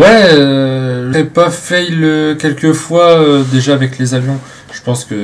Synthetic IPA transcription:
wɛ | ʒəʁɛpafɛjløkʲɛlkəfwaød̪eʒaːvɛklezavjɔ̃ | ʒ̥əpɑ̃skə

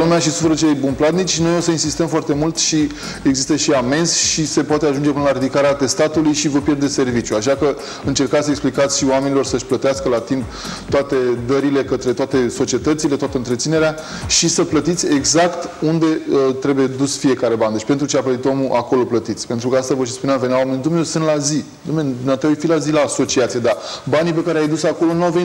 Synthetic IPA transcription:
lumeaʃisu̥fəɾət͡ʃeljbunplat̪nit͡ʃʃino̞jo̞səinsist̪əmfoart̪e̞mult̪ʃi | eɡzist̪əʃiame̞nsʃise̞poat̪eaʒund͡ʒepɨnəlaɾid̪ikaɾeat̪e̞st̪at̪ulujʃivəpje̞rd̪eservit͡ʃjuaʃakə | ɨnt͡ʃe̞rkat̪səeksplikat̪sʲʃiwame̞nilo̞rsəʃʲplət̪easkəlat̪imp | t̪oat̪e̞d̪əɾile̞kət̪ɾe̞t̪oat̪e̞so̞t͡ʃie̞t̪ət̪silet̪oat̪əɨnt̪ɾet̪sine̞ɾea | ʃisəplət̪it̪sʲe̞ɡzakt̪und̪e̞ət̪ɾe̞buje̞d̪usfije̞kaɾe̞band̪et͡ʃʲpe̞nt̪ɾut͡ʃeaplət̪it̪omuʔako̞lo̞plət̪it̪sʲpe̞nt̪ɾukəast̪avəʃ̬ispuneamvenawamenid̪umnesɨnt̪lazi | d̪omed̪umat̪eaujfilazilaːso̞t͡ʃiat̪sijed̪abanipe̞kaɾeajd̪usako̞lo̞nuawveni

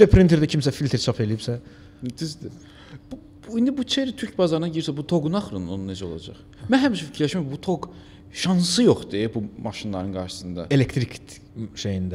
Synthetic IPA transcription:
æpʰɾint̪ʰeɾd̪ɛcʰimsæfilʲt̪ʰeɾt͡ʃʰapʰe̞lijipsæ | d̪izd̪i | b̥u | ind̪ibut͡ʃʰeɾit̪ʰyɾcbɑzɑɾɯnɑɟiɾiɾsæbut̪ʰo̞ɡunɑχɾɯnonunned͡ʒɛo̞lˠɑ̰d͡ʒɑ̰χ | mænɦæmiʃɛficʰɾlʲæʃmæmbut̪ʰoɡ | ʃɑnsɯjo̞χd̪ibumɑʃinlˠɑɾɯnɡɑɾʃɯ̥sɯnd̪ɑ̰elekt̪ʰɾikt̪ | ʃejind̪æ

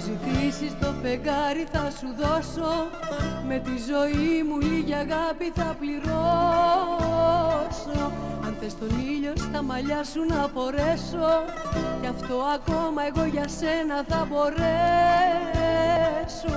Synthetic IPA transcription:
zit̪isist̪o̞fe̞ɡɐɾiθɐsuðo̞so̞ | me̞t̪izo̞imuliʝiɐɣɐpiθɐpliɾo | so | ɐnθest̪o̞niʎo̞st̪ɐmɐʎɐsunɐfo̞ɾe̞so̞ | cɐft̪o̞ɐko̞mɐe̞ɣo̞ʝɐse̞nɐθɐbo̞ɾe | so

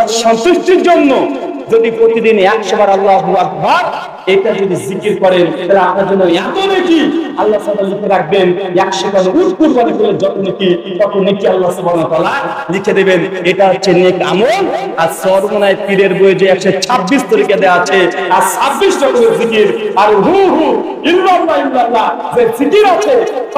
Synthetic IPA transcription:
ʃɔnt̪uʃʈiɾd͡ʒonːod͡ʒod̪ipɾot̪id̪inɛkʃɔbaɾalːaɦbuak̚bʱad̚ | eʈad͡ʒod̪izikiɾkɔɾent̪ɛlaaaɾd͡ʒonːoat̪onekialːasɔbalikʰeɾak̚benɛkʃɔkɔnout̪̚kuɾkaɾik̪oled͡ʒɔt̪oniki | kɔt̪onikialːasubʱanat̪ala | likʰed̪ebeneʈat͡ʃʰeniɛkamolaɾsɔɾmonajpiɾeɾbojed͡ʒeɛksɔt͡ʃʰabːist̪ɔɾikad̪ɛat͡ʃʰeaɾsʰabːisʈɔkɔbeɾzikiɾaɾɦuɦu | ilːɔlːailːalːa | zezikiɾat͡ʃʰe

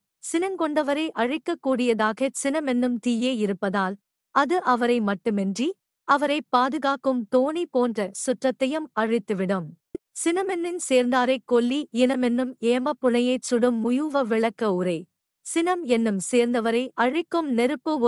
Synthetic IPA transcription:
sɪnɐmkɔɳɖɐʋɐɾɐɪʔɐɻɪkːɐkːuːɽɪjɐðaːɣɐsɪnɐmɛnːɯmt̪iːjeːɪɾɯpːɐðaːl | ɐðɯʔɐʋɐɾɐɪmɐʈːɯmɛndri | ɐʋɐɾɐɪpːaːðɯɣaːkɯmt̪oːnipoːndrɐsʊʈrɐt̪ːɐjɐmɐɻɪt̪ːɯʋɪɽɐm | sɪnɐmɛnːɪnseːɾnd̪aːɾɐɪkːɔɭːiɪnɐmɛnːɯmeːmɐpːʊlɐjɐɪt͡ʃʊɽɯmːʊjuʋɐʋɪɭɐkːɐʊɾɐɪ | sɪnɐmɛnːɯmseːɾnd̪ɐʋɐɾɐɪʔɐɻɪkːɯmnɛɾɯpːɯ

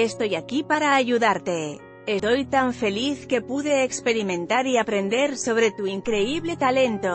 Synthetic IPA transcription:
est̪ojakipaɾaːʝuðaɾt̪e | est̪ojt̪aɱfe̞liθke̞puðeːkspeɾimẽ̞nt̪aɾiapɾend̪eɾso̞β̞ɾet̪uiŋkɾeiβlet̪alent̪o

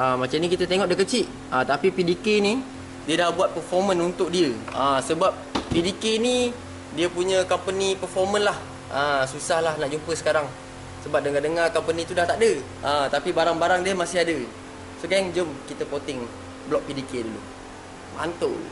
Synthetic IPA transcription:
əmat͡ʃamnə̃kit̪ət̪eŋɔʔdəkət͡ʃiʔ | ət̪apipidikeni | diədahbuat̪̚pərfɔmə̃nunt̪ʊk̚diəəsəbap̚pidikeni | diəpuɲə̃kampənipəfɔmənlah | ʔəsusahlahnaʔd͡ʒumpəsə̥kaɾaŋ | səbap̚dəŋadəŋakampənĩt̪udaht̪aʔdə | ʔət̪apibaɾaŋbaɾaŋdiəmasɪɦadə | səkajaŋd͡ʒəmkit̪əpot̪ɪŋ | blɔk̚pidikedulṵ | ba̰nt̪o̰l

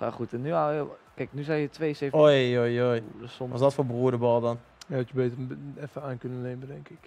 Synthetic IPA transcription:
fa̰χutɛnyakɛjknyzɛjjətʋejseojojojsɔʋɔ̰sdɔtfoːbruədəbɔlˠdɔn | jaɔtjəbeːtərɛfəaːnkønəleːmədɛŋkɪk

